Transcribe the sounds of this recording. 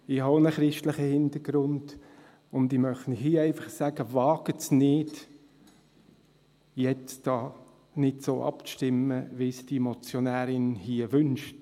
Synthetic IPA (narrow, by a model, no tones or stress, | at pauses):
ɪhɑonəχɾɪʃtləχəhɪndəɡ̥ɾʊnd̥ | ʊndɪmœχtnhɦiːɛɪfɑχsæɡ̥əvɑːɡ̥ətsnɪd̥ | jɛt͡sd̥ɑː | nɪdsoːʔɑ̰pʃtɪməʋisd̥imɔt͡sjonæːɾɪnhiəʋʏnʃt